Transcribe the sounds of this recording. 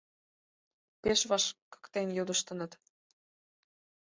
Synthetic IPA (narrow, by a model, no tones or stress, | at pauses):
peʃβɑʃkə̥kt̪enjod̪əʃt̪ə̆nə̆t̪